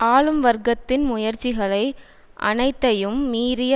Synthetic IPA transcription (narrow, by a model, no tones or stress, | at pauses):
aːɭɯmʋɐɾɡɐt̪ːɪnmʊjɐɾt͡ʃɪɣɐɭɐɪ | ʔɐ̰nɐɪt̪ːɐjɯmːiːɾɪjɐ